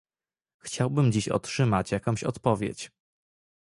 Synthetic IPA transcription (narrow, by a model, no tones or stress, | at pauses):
xt͡ɕawbɘmd͡ʑiɕɔ̰tʂɘmat͡ɕjakɔ̃w̃ɕɔt̪pɔvʲjḛt͡ɕ